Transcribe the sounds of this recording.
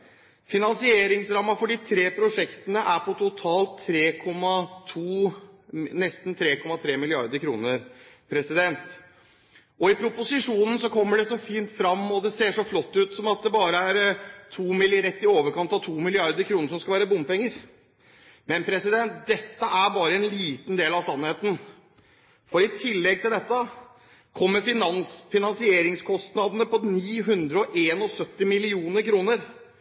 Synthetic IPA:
fɪnɑnsɪeːɾɪŋsɾɑmːɑfɔɖiːt̪ʰɾeːpʰɾʊʂɛkt̪ənəʔæɾpʰɔt̪ʰʊt̪ʰɑːlt̪ʰːɾeːkʰɔmːɑt̪ʰuː | nɛst̪nt̪ʰɾeːkʰɔmːɑt̪ʰɾeːmɪlɪɑɾd̪əɾkʰɾṵːnəɾpʰɾɛsɪd̪ɛnt̪ | ɔɪpʰɾʊpʊsɪʂuːnn̩sɔkʰɔmːəɖɛsɔfiːnt̪fɾɑmːɔd̪ɛseːʂɔflɔt̪ːʉːt̪sɔmɑt̪̚d̪ɛbɑːɾəæɾt̪ʰuːmɪlɪɾɛt̪ːɪoːʋəɾkʰɑnt̪ɑʋt̪ʰuːmɪlɪɑɾd̪əɾkʰɾuːnəʂɔmskɑʋæːɾəbʊmːpɛŋːəɾ | mɛnpʰɾɛsɪd̪ɛnt̪̚d̪ɛt̪ːəæɾbɑːɾəɛnliːt̪n̩d̪eːlɑʋsɑnːheːt̪n̩ | fɔɾɪt̪ʰɪlːɛɡ̚t̪ɪld̪ɛt̪ːə | kʰɔmːəɾfɪnɑnsfɪnɑnsɪeːɾɪŋskʰɔst̪nɑd̪nəpɔniːɦʉnd̪ɾəɔʔeːnɔsœt̪ːɪmɪlɪuːnəɾkʰɾuːnəɾ

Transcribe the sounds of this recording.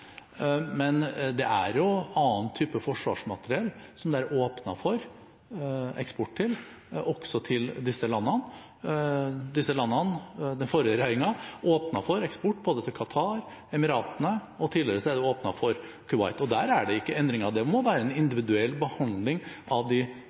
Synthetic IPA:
mɛnd̪ɛʔæ̰ɾjʊɑːnt̪ʰyːpəfɔʂʋɑ̰ːʂmɑt̪əɾɪɛlsɔmd̪ɛæɾʔoːpnɑfɔɾ | ɛ̰kspɔʈʈʰɪl | ɔɡ̥sɔt̪ʰɪld̪ɪsːəlɑnːɑn | d̪ɪsːəlɑnːɑnd̪ɛnfɔɾjəɾæɪɪŋɑoːpnɑfɔɾɛkspɔʈːboːd̪ət̪ʰɪlkʰɑt̪ʰɑːɾ | ɛmɪɾɑːt̪ənəɔt̪ʰɪːlːəɾəsɔæd̪ɛoːpnɑfɔɾ | kʰʉʋɑ̰ɪt̪ɔd̪æːɾæɖɛɪkːəɛnd̪ɾɪŋɑʋd̪ɛmɔʋæːɾəɛnɪnd̪ɪʋɪd̪ʉɛlːbəhɑnd̪lɪŋɑʋd̪ɪ

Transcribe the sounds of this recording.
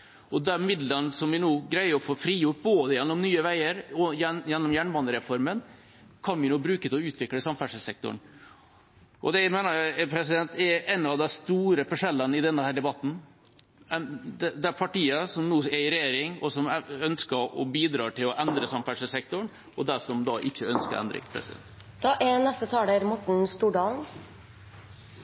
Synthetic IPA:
ʔɔd̪ɛmɪd̪lənsɔmʋɪnuːɡɾæɪəɔfoːfɾiːjʊʈ̚boːd̪əjɛnːɔmnyːəʋæɪəɾɔjɛjɛnːɔmjæɳbɑnəɾɛfɔɾmən | kʰɑnʋɪnuːbɾʉːkət̪ʰɛɔʉːt̪ʰʋɪkləsɑmfæʂəsɛk̚t̪ʊ̰ɳ | ʔɔ̰d̪ɛmeːnəpʰɾɛsɪd̪ɛnt̪ɛɾɛnɑʋd̪ɛst̪uːɾəfɔʂɛlːənɪd̪ɛnːəhæːɖɛbɑt̪ːn̩ | ɛnd̪ɛd̪ɛæpʰɑʈiːəsɔmnuːɛɪɾɛjeːɾɪŋɔsɔmœnskəɾɔ̰biːd̪ɾɑ̰ːʈʰɪlɔʔɛnd̪ɾəsɑmfæʂəlsɛk̚t̪ʊɳ | ʔɔd̪æʂɔmd̪ɑːʔɪçːəœnskə̰ɾɛ̰nd̪ɾɪ̰ŋpʰɾɛ̰sɪd̪ɛ̰nt̪ | d̪̥ɑʔɛnɛst̪ət̪ʰɑːd̪æɾmɔʈɳ̩st̪uːɖɑːln

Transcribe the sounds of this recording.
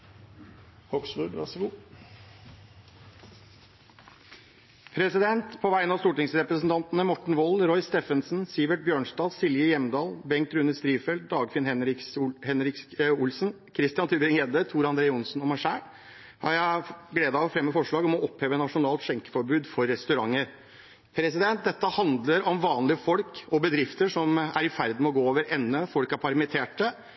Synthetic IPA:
hɔksbʉd̪ɾɑ̰sɡuː | pʰɾɛsɪd̪ɛnt̪pʰɔʋæɪənɑst̪uːʈɪŋsɾɛpɾəsn̩t̪ɑnt̪nəmɔʈɳ̩ʋɔlɾɔʏst̪eːfənsnsɪʋəʈ̚bjøːɳsd̪ɑːlsɪljəjɛmd̪ɑːlbɛŋkt̪ɾʉnəst̪ɾiːʋfɛld̪̚d̪ɑːɡfɪnhɛɪshɛnɾɪkʊlsn̩ | kʰɾɪst̪ɪɑnʰʉbɾɪŋeːd̪ət̪ʰuːɾɑnd̪ɾeːəʊnsnɔmæɪʂæːɾ | hɑɾjæɪɡleːd̪ɑʋfɾɛmːəfɔʂɭɑːɡɔmɔʔɔpʰheːʋənɑʂʊnɑːlt̪ɕɛŋkə̥fɔɾbʉːd̪fɔɾːɛst̪ʉɾɑŋːəɾ | pʰɾɛsɪd̪ɛnt̪̚d̪ɛt̪ːəhɑnd̪ləɾɔmʋɑːnlɪəfɔlkɔbəd̪ɾɪft̪əʂɔmæ̰ɾɪfæɾd̪̩mɛɔɡoːoːʋəɾɛnːəfɔlkæɾpʰɑɾmɪt̪ʰeːʈə

